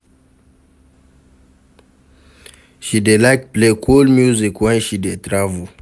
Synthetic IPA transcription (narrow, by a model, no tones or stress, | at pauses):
ʃidelak̚plekʰulmjuzikwɛ̃nʃidet̪ɾavu